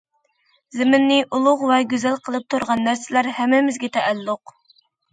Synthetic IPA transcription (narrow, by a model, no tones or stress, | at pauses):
zɪmɪnːɪʔulˠʊʁvɛɡʲøzælqʰəlˠɨp̚t̪ʰuɾʁɑnːæɾsɪlæɾhɛmːɪmɪzɡʲɛt̪ʰɛʔælːʊq